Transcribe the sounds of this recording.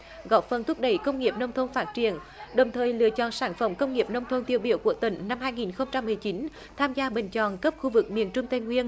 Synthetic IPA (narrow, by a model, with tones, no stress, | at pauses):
ɣɔ˧˦˩p̚fə˨˩nt̪ʰʊ˦˥p̚ɗə˧˩jkə˧wŋ͡mŋi˨˩əp̚nə˧wŋ͡mt̪ʰə˧nfaː˦˥t̚t͡ɕi˧˩ən | ɗə˨˩wŋ͡mt̪ʰəː˨˩jlɨ̰˧˨ət͡ɕɔ̰˧˨nsaː˧˩nfə˧˩mkə˧wŋ͡mŋi˨˩əp̚nə˧wŋ͡mt̪ʰə˧nt̪i˧˩əwɓi˧˩əwku˧˩ət̪ï˧˩ŋ̟na˧mhaː˧jŋi˨˩nxə˧wŋ͡mt͡ɕa˧mːɨ˨˩əjt͡ɕi˨˦n | t̪ʰaː˧mzaː˧ɓḛ˧˨˩ŋ̟t͡ɕɔ̰˧˨nkə˦˥p̚xu˧vɨ˨˩k̚mḭ˨˩ənt͡ɕʊ˧ŋ͡mt̪ə˧jŋwi˧ən